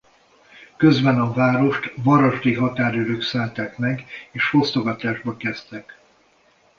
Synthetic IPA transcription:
køzbɛnɒvaːɾo̞ʃt̪vɒɾoʒd̪iɦɒt̪aːɾyɾøːksaːlt̪aːkmɛɡeːʃho̞st̪oɡɒt̪aːʒbɒkɛst̪ɛk

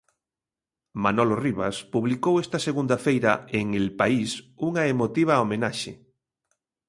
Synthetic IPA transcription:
manɔloriβaspuβlikowest̪ɐseɣund̪ɐfejɾɐeŋelpaisuŋaemot̪iβ̞aomenaʃḛ

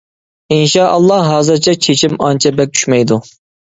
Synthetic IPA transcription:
inʃɑʔɑlˠːɑɦɑːzɨɾt͡ʃʰɛt͡ʃʰet͡ʃʰimɑnt͡ʃʰɛbɛk̚ʲt͡ʃʰy̥ʃmɛjd̪u

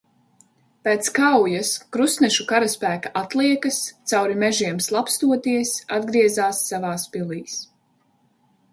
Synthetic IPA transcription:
peːt̪skawjaskɾusnɛʃukaɾaspæːkaʔat̪lˠiɛkɐst̪sawɾimɛʒiɛmslˠapst̪uɔt̪iɛsad̪ɡɾiɛzaːsːavaːspilˠiːs

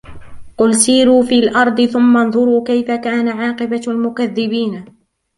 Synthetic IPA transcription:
qʊlsiːɾuːfiːlʔɑɾˤd̪ˤɨθʊmːanðˤʊɾuːkajfakaːnaʕɑːqɨbalmʊkaðːɪbiːn

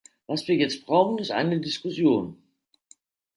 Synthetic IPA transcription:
vasv̥iːɐjɛt͡st̚b̥ʁ̥aʊxn̩ɪstʔa̰ɪnədɪskʊsjoːn

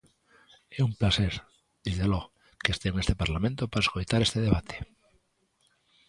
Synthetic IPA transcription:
eumplaseɾ | d̪̥izðelo | keest̪eŋest̪epaɾlamẽnt̪opaɾaeskojt̪aɾest̪eðeβat̪ʰe̥

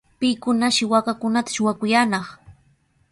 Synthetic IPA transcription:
pɪkʊnaʃɪwakakʊnat̪ḁʃʊwakʊjanɑχ

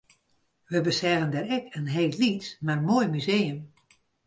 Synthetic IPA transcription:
ʋəbəsɛvəndɛɾɛkʰənɦeːllitmarmoːjmyzeːəm

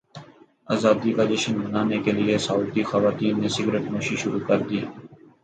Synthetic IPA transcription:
aːzaːd̪ikad̪ɪʃənbənaːnekeliesauːt̪ixɐʋaːt̪iːnːesɪɡɾeʈmoːʃiʃʊɾukɐɾd̪iː

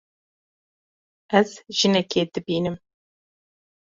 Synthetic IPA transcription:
ʔɛzʒ̥ɨnɛkeːd̪ɨbiːnɨm

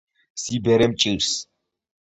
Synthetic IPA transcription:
sibɛɾɛmt͡ʃʼis

